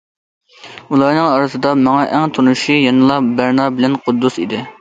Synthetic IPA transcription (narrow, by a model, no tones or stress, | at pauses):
ulˠɑɾnɨŋɑɾɨsɨd̪ɑmɑŋɑʔɛŋt̪ʰonuʃijɑnɨlˠɑbæɾnɑbɪlɛnqʰʊd̪ːusḭd̪ɪ